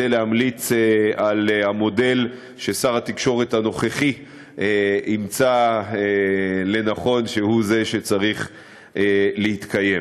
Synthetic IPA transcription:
elehamlit͡sealhamo̞de̞l | ʃe̞saʁhat̪ikʃo̞ʁet̪hano̞χeχi | imt͡saele̞naχo̞nʃe̞huze̞ʃet͡saʁiχ | lehit̪kaje̞m

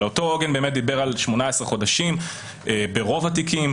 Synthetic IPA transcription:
oto̞oɡenbeːmet̚d̪ibeʁalʃmo̞naesʁeχo̞daʃim | ebe̞ʁo̞vatikim

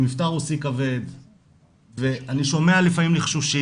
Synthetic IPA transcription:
mift̪aʁusikave̞d̪ | veaniʃo̞me̞alifamimliχʃuʃi

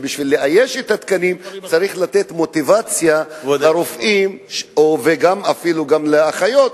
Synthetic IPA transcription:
biʃvilːeʔajeʃet̪at̪kanimt͡saʁiχlat̪e̞t̪mo̞t̪ivat͡sjalaɾofʔimʃoveɡamafiluɡamleaχajo̞t̪

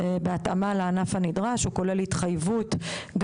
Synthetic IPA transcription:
beat̪amaleanafanidʁaʃuko̞lelit̪χajvutɡ

